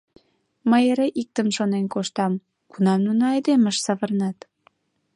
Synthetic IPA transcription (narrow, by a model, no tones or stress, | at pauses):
məjeɾeʔik̚t̪əmʃonenkoʃt̪ɑm | kunɑmnunɑɑjd̪eməʃsɑβərnɑt̪